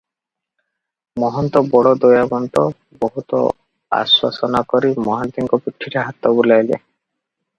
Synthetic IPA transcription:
mɔɦɔnt̪ɔbɔɽɔd̪ojabɔnt̪ɔ | bɔɦut̪ɔ̰ | a̰swa̰sɔnakɔɾimɔɦant̪iŋkɔpiʈʰːiɾeɦat̪ɔbulajlḛ

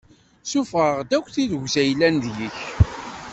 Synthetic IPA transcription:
sufʁəʁd̪ækʷːθiðɡzæjlːænðjəç

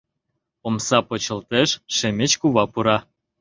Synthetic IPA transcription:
omsɑpot͡ɕə̆lt̪eʃːemʲet͡ɕkuβɑpuɾɑ

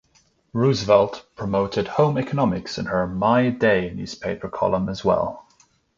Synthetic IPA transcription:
ɹʉzvɛlˠtpʰɹ̥əmoʊtɪd̥̚hõʊ̃mɛkənɑmɪksɨ̰̃nə˞maɪdeɪ̃njʉ̰z̥pʰeɪpʰə˞kʰɒ̰lˠə̃məzwɛ̰lˠ

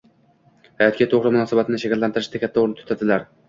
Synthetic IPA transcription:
hajɑt̪̚kʲat̪ʰoʁɾɨmʊnɑːsɑbat̪ʰɪnɪʃakʲælːant̪ɪɾɪʃt̪ʰakʲʰat̪ʰːaoɾnɪt̪ʰʊ̥t̪ʰad̪ɪlæɾ

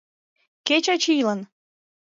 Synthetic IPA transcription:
ket͡ɕɑt͡ɕijlən

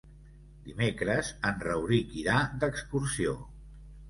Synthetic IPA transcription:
d̪imekɾəzənrəwɾikiɾad̪əkskuɾsio̰

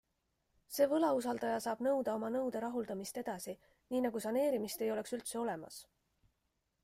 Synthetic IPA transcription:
se̞ːvɤlɑusɑld̪ɑjɑsɑːb̥nɤwd̪̥ɑo̞mɑnɤwd̪̥e̞ɾɑɦuld̪̥ɑmist̪e̞d̪̥ɑsi | niːnɑɡusɑne̞ːɾimist̪e̞jo̞leksylt̪se̞o̞le̞mɑ̰s

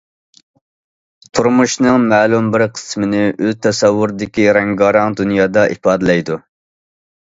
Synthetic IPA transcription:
t̪ʰuɾmuʃnɨŋmɛːlˠumbɪɾqʰə̥smɪnɪʔøzt̪ʰɛsɛwːuɾd̪ɪkʲiɾɛŋɡɑɾɑŋd̪unjɑːd̪ɑʔipɑːd̪ɨlɛjd̪u

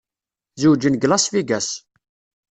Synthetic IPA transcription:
zuwd͡ʒənɡlɑsfiɡæs

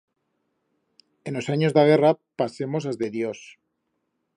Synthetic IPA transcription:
enlo̞saɲo̞zðaɣ̞e̞rapase̞mo̞sazðeðjo̞s

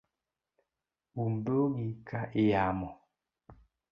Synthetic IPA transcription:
umboŋikʰaʔejamɔ

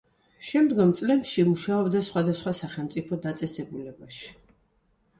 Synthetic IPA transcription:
ʃɛmd̪ɡɔmt̪sʼlɛpʃimuʃaɔbd̪asχwad̪asχwasaχɛlˠmt̪sʼipʰɔd̪at̪sʼɛsɛbulɛbaʃi̥

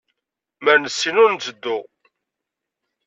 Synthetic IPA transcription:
məɾnəsːinʊɾnt͡sːəd̪ːʊ

